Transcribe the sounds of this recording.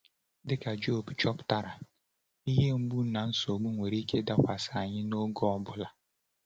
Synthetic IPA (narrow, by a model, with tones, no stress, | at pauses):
dɪ˦ka˨d͡ʒo˦˨bt͡ʃɔ˦pta˦ɾa˨ | i˦ɦe˦ŋ͡m̩˦bu˦na˨n̩˦so˨ɡ͡bu˦ŋʷe˨ɾi˦kʰe˦da˦kʷa˨sa˨ɲɪ˦no˦ɡɔ˦ɔ˦bʊ˦la˨